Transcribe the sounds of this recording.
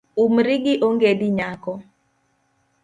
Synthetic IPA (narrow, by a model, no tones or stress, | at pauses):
umɾiɡɪʔoŋɡediɲakɔ